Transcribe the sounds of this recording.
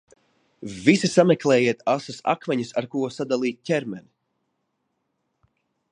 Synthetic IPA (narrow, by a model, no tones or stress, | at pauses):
visisamɛklˠɛːjiɛt̪asasa̰kmɛɲisaɾkuɔsad̪alˠiːt̪̚ʲcʲɛɾmɛni